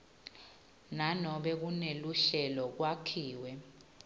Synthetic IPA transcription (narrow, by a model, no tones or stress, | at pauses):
nanɔɓɛk̬uneluɬɛlɔk̬wakʰiːwɛ